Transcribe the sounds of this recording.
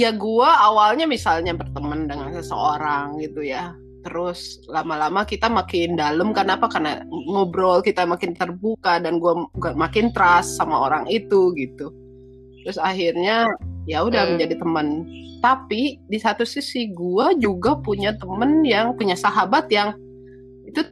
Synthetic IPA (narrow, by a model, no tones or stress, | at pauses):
jaɡuaːwalɲamisalɲabərt̪əməndəŋansəsə̰oɾaŋɡit̪uja | t̪əɾʊslamalamakit̪amakɪndaləmkarnapakarna̰ŋobɾɔlkit̪amakɪnt̪ərbukadanɡuaɡamakɪnt̪əɾasːamaoɾaŋit̪uɡit̪u | tt̪əɾʊsaɦirɲajaudahməɲd͡ʒadit̪əmənt̪apidisat̪usisiɡuad͡ʒuɡapuɲat̪əmənjaŋpuɲasaɦabat̪jaŋ | it̪u